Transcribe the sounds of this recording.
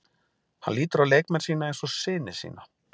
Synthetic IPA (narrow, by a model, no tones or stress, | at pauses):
hanliːt̪ʏɾaleːjkmɛnsiːnaejnsɔsɪːnɪsḭːna